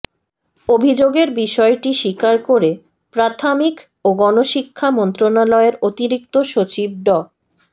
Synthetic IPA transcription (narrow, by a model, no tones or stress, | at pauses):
obʱid͡ʑoɡeɾbiʃɔeʈiʃikaɾkoɾe | pɾat̪ʰamik | oɡɔnoʃikʰːamont̪ɾonalɔeɾot̪iɾik̚t̪oʃot͡ɕib̚ɖɔ